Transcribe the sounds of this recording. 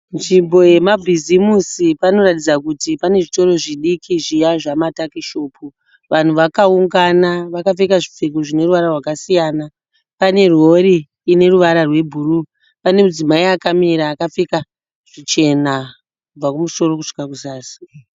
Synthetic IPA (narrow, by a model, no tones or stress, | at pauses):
nd͡ʒimbo̞je̞mabʱizimusipano̞ratid͡zakutipane̞ʐito̞ɾo̞ʐiɗikʰiʐijaʐamatakiʃoːpʰu | ʋan̤uʋakauŋɡanaʋakafik̬aʐip͡fekoʐine̞ruʋaɾarwakasijaːna | pane̞rwo̞ɾiː | ne̞ruʋaɾarwe̞bʱuɾu | pane̞mud͡zimaiakamiɾaːkap͡fika | ʐ̥it͡ʃe̞na | kub͡vakumuso̞ro̞kuʂi̥kakusaːsi̥